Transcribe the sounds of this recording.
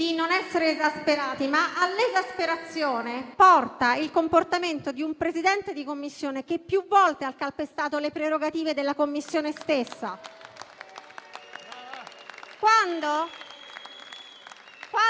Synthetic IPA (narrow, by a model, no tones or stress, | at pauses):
d̪̥inonɛsːeɾeːzaspeɾaːt̪imaʔalːezaspeɾat̪sːjoːnepɔrt̪ailkomport̪ament̪od̪iumpɾezid̪ɛnt̪ed̪ikomːisːjoːnek̟epːjuvɔlt̪ealkalpest̪aːt̪olepɾeɾoɡat̪iːved̪elːakomːisːjoːnest̪esːa̰ | kwand̪o | ka